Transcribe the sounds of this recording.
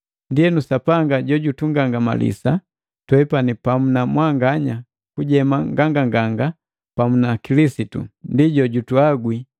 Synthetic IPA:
ndijɛnusapaŋɡaɟɔɟutuŋɡaŋɡama̰lḭsa | twɛpanipamunamwaŋɡaɲa | kuɟɛmaŋɡaŋɡaŋɡaŋɡa | pamunakilisitṵndiɟɔɟutuaɡwi

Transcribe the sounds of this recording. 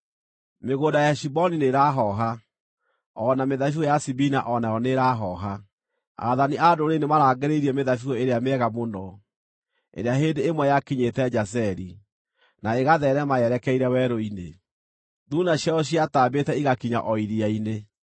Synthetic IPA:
meɣoːndajaʃibɔnineɾaɦɔɦa | ɔnameðafuɔjasibinaʔɔnaɔneɾaɦɔɦa | a̰ðaniʔadoɾenemaɾaːɡeɾeiɾiɛmeðafiɔeɾeameɛɣamonɔ | ḛɾeaɦendeːmwɛjakiɲetɛd͡ʒas̬ɛɾi | naeɣaðɛɾɛmajɛɾɛkɛiɾɛwɛɾoine | ðunaɕjaɔɕiataːbetɛiɣakiɲa̰ʔɔiɾiaine

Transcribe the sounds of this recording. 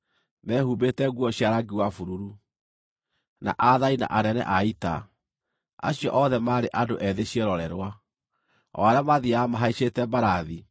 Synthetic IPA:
nɛhubetɛɡwɔɕjaɾaɡiwafuɾuɾu | na̰ʔaðaina̰ʔaɾɛnɛ̰ʔaita̰ | a̰ɕijɔ̰ʔɔðɛmaːɾeʔadoʔɛðeɕjeɾɔɾɛɾwa | ɔ̰aɾeamaðiamaɦaiɕetɛbaɾaði

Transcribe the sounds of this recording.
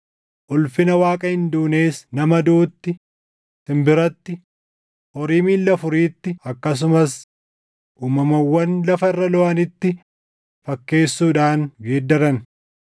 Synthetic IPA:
ʔʊlfɪnɐwaːkʼɐhɪnd̪uːneːsnɐmɐd̪uːt̪ːɪ | t̪ɪmbɪɾɐt̪ːɪ | ʔɔɾiːmiːlːɐfʊɾiːt̪ːɪɐkːɐs̬ʊmɐs | ʔuːmɐmɐwːɐnlɐfɐɪrːɐlɔʔɐnɪt̪ːɪ | fɐkːe̞ːsːuːᶑaːŋɡeːd̪ːɐɾɐn

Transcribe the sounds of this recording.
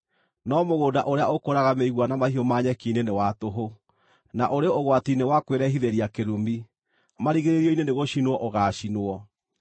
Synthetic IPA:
nɔmoɣoːdaʔoɾeaokoɾaɣameiɣwanamahiɔmaɲɛkiːnenewatoɦo | naʔoɾeoɣwatinewakweɾɛɦiðeɾiakeɾumi | maɾiɣeɾeɾiɔineneɣoɕinwɔʔoɣaːɕinoɔ

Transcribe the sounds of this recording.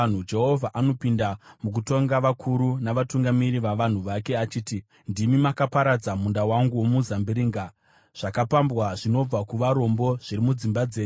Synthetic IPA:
an̤ud͡ʒe̞ɦo̞vʱaʔano̞pindamuk̬uto̞ŋɡaʋakʰuɾunaʋatuŋɡamiɾiʋaʋan̤uʋake̞at͡ʃiːti | ndimimakapaɾad͡zamundawaŋɡuwomuzambiɾiːŋɡa | ʐ̥akapambwaʐino̞b͡vakuʋaɾo̞mbo̞ʐ̥iɾimud͡zimbad͡ze̞ːu

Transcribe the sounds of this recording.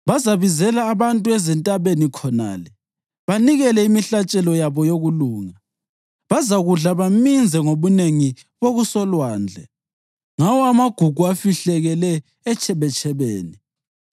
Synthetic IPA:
βazaβizɛlaːβantʼuɛzɛntʼaβenikʰɔna̰ːlɛ | βaniɣɛlɛimiɬat͡ʃʼɛlɔjaβɔjoɣuluːŋa | βazaɣuɮaβamind͡zʱɛŋoβuneŋi | βoɣusɔlwaːnd͡ɮʱɛ̰ | ŋawɔamaɡ̥ʱuɡ̥ʱuafiɬɛɣɛlɛː | t͡ʃʰɛβɛt͡ʃʰʼɛβeːni

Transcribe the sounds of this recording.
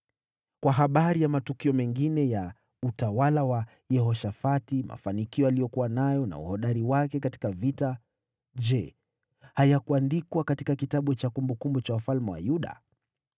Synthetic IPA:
kwaɦaɓaɾijamatukiɔmɛŋɡinɛja | utawalawa | jɛhɔʃafatima̰fanikiɔalijɔkuwanajɔna̰ṵhɔɗaɾiwakɛkati̥kavita | d͡ʒɛ | hajakuandikwakatikakitaɓut͡ʃakumbukumbut͡ʃaufalmɛwa̰juɗa̰

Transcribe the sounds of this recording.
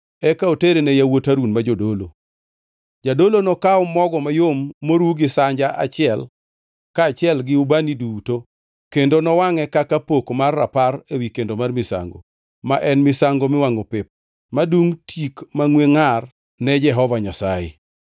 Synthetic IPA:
ɛkaoteɾenɛjawotaɾunmad͡ʒodolo | d͡ʒadolonɔkaɔmɔɡɔmajomːoɾwuɡɪsaɲd͡ʒaa̰t͡ʃɪɛl | kat͡ʃɪɛlɡɪubaniduto | kendonɔwaŋɛkakapokmarːa̰parewikendomarmɪsa̰ŋɡo̰ | maʔɛnmɪsaŋɡomɪwaŋopɪp̚ | maduŋtʰikmaŋweŋar | nɛd͡ʒɛɦɔvaɲasajɪ̰

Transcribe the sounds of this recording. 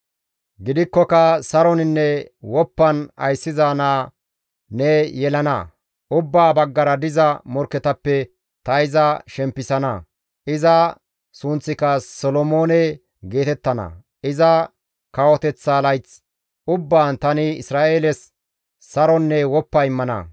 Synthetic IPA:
ɡɪd̪ɪkːɔkɐsɐɾɔnɪnːɛwɔpːɐnɐ̰jsːɪzaːnaː | nɛjɛlɐnɐ̰ | ʔʊbːaːbɐɡːɐɾɐd̪ɪzɐmɔɾkːɛt̪ɐpːɛ | t̪ɐɪzɐʃɛmpːɪsɐnɐ̰ | ʔɪzɐ | sʊnt͡sːɪkɐsɔlɔmo̞ːnɛ | ɡe̞ːt̪ɛt̪ːɐnɐ̰ | ɪzɐ | kɐwɔt̪ɛt͡sːaːlɐjt͡s | ʔʊbːaːnt̪ɐnɪɪsɾaːʔeːlɛs | sɐɾɔnːɛwɔpːɐɪmːɐnɐ̰

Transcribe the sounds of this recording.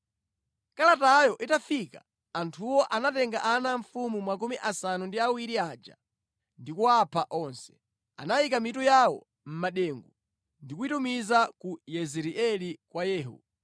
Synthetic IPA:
kalatajɔʔitafika | antʰuwɔʔanatɛŋɡaʔanaɱfumumakumiʔasanundiawiɾiaːd͡ʒa̰ | ndikuapʰaʔɔnsɛ̥ | a̰naikamitujawɔ̰ | m̩maɗɛːŋɡu | ndikuitumizakujɛzɛɾiʔɛlikwajɛːɦṵ

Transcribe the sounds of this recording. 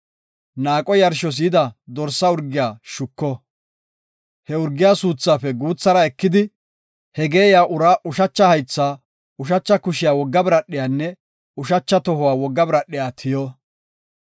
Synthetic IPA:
naːkʼɔjɐɾʃɔs̬iːd̪ɐd̪ɔɾsːɐʊɾɡɪjaːʃʊkːɔ | hɛʊɾɡːɪjaːsuːt͡sːaːfɛɡuːt͡sːɐɾɐɛkːɪd̪ɪ | hɛɡeːjaːʔʊɾaːʔʊʃɐt͡ʃːɐhɐjt͡sːaː | ʊʃ̬ɐt͡ʃːɐkʊʃɪjaːwɔɡːɐbɾɐɗːɪjaːnːɛ | ʊʃɐt͡ʃːɐt̪ɔhʊwaːwɔɡːɐbɾɐɗːɪjaːt̪ʰɪjɔ

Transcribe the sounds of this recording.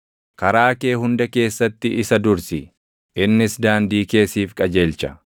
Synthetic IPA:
kɐɾaːke̞ːɦʊnd̪ɐke̞ːsːɐt̪ːɪɪsɐd̪ʊɾsɪ | ʔɪnːɪsd̪aːnd̪iːke̞ːsiːfkʼɐd͡ʒe̞ːlt͡ʃɐ̥

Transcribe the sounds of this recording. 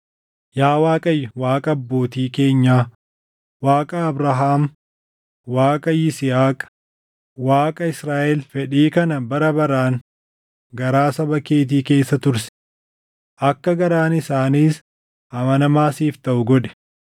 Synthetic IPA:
jaːwaːkʼɐjwaːkʼɐɐbːo̞ːt̪iːke̞ːɲːaː | waːkʼɐːbɾɐɦaːm | waːkʼɐjɪsɪhaːkʼ | waːkʼɐɪsɾaːʔɛlfɛᶑiːkɐnɐbɐɾɐbɐɾaːŋ | ɡɐɾaːsɐbɐkeːt̪̬iːke̞ːsːɐt̪ʊɾsɪ̥ | ʔɐkːɐɡɐɾaːnɪsaːniːs | ɐmɐnɐmaːsiːft̪ɐʔʊɡɔᶑɛ̥

